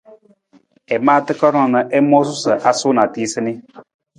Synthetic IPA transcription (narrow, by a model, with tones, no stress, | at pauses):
ɛ˨maː˦˨tɨ˦kɔ˦ɾɔ̃˦˨nə˨ʔɛ˦mɔ˦s̬ʊ˦sə˨ʔa˨sʊ˦na˨ti˦sɨ˦nɪ˦